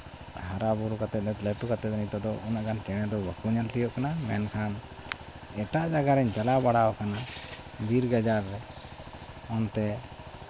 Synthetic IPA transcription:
haɾabuɾukat̪ɛt̪̚t̪lɛʈukat̪ɛt̪̚ɛnit̪ɔd̪ɔʔunaʔɡant͡ʃɛɽ̃ɛd̪ɔbakuɲalt̪ɛjɔʔkanamɛnkʰan | ɛʈaʔd͡ʒaɡaɾɛɲt͡ʃalabaɽawkana | biɾɡad͡ʒaɾːɛ | ɔnt̪ɛ

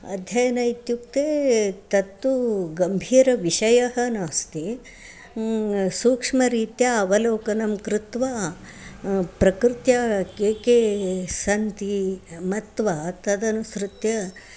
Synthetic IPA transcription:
ɐ̰d̪ʱjɐjɐnɐit̪juk̚t̪eːt̪ɐt̪ːuɡɐmbʱiːɾɐʋiʃɐjɐɦɐ̆naːst̪i | suːkʂmɐɾiːt̪jɐɐʋɐloːkɐnɐmkɾɪt̪ʋa | pɾɐkɾɪt̪jɐkeːkeːsɐnt̪imɐt̪ʋat̪ɐd̪ɐnusɾɪt̪jɐ

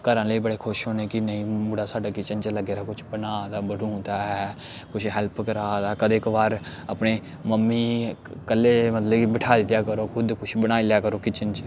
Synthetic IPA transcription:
kəɾãːləiːbəɽeːkʰʊʃɦoːneːkɪnəĩːmuːɽaːsaːɖaːkɪt͡ʃənt͡ʃləɡeːɾaːkʊt͡ʃʰbənaːd̪aːbəɾũːd̪aːɛː | kʊt͡ʃʰɦɛlpkəɾaːd̪aːkəd̪ekbaːɾ | a̰ːpneː | məmːiːkəlːeːmət̪ləbkibɪʈʰaːd̪ɪt̪ːjaːkəɾoːkʰʊd̪kʊt͡ʃʰbəñaːilaːkəɾoːkɪt͡ʃənt͡ʃ

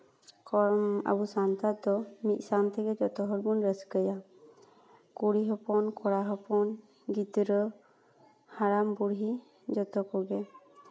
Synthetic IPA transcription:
kɔɾma̰busant̪ad̪ɔmit̪̚ˀsant̪ɛɡɛd͡ʒɔt̪ɔɦɔɾbunɾəskəja | kuɽiɦɔpɔnkʰɔɽaɦɔpɔn | ɡit̪ɾə | haɾambuɽɦi | d͡ʒɔt̪ɔkɔɡɛ

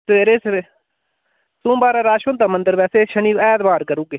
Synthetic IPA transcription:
t̪eːɾeːse | sũːbaːɾaːɾaːʃõnt̪aːmənd̪əɾbɛːseːʃəɳiːɛːd̪baːɾkəɾuːɡeː

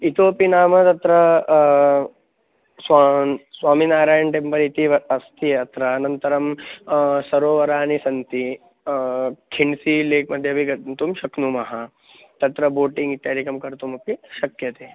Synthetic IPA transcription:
it̪oːpinaːmɐt̪ɐt̪ɾɐ | sasʋaːminaːɾaːjɐnʈempɐɾit̪iʋɐɐst̪iɐt̪ɾɐːnɐnt̪ɐɾɐm | sɐɾoːʋɐɾaːnisɐnt̪i | kʰiɳsileːkmɐd̪ʱjɐbʱiɡɐtnt̪umʃɐknumɐɦɐ | t̪ɐt̪ɾɐboːʈiŋɡit̪jaːɾikɐmkɐɾt̪umɐpiʃɐkjɐt̪eː

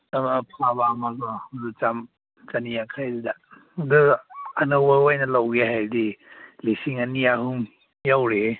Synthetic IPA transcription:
mapʰaβamaɡɔdɯt͡ʃam | t͡ʃanijakʰajdida | dɯanɯwbaɡojnɐlawɡeɦajdilisiŋanijaɦuŋ | jawɾe

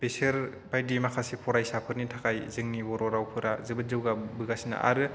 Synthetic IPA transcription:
beseɾ | bajdimakʰasepʰɔɾajsapʰɯɾnitʰakʰajzɯŋnibɔɾɔɾawpʰɯɾazɯbɯt̚zɯwɡabɯɡasina̰ʔa̰ɾɯ

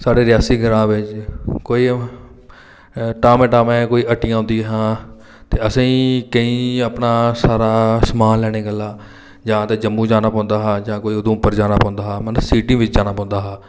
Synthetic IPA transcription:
saːɖeːɾɪjaːsiːɡəɾãːʋɪt͡ʃkoːiː | ʈaːmeːʈaːmẽːkoːiːʔəʈːɪjãːɦʊ̃nd̪iɦãː | t̪eːəsĩːkəĩːəpnaːsaːɾaːsəmaːnlɛːɽ̃eːɡəlːaː | d͡ʒãːt̪eːd͡ʒəmːũːd͡ʒaːnaːpãːnd̪aːɦãːd͡ʒãːkoːiːoːd̪õːʊpːəɾd͡ʒaːnaːpɔ̃ːnd̪aːɦːmənəsiːʈĩːʋɪt͡ʃd͡ʒaːnaːpɔ̃ːnd̪aːɦaː

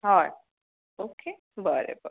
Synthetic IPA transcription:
ɦa | oːkʰe | bəɾḛbə̰

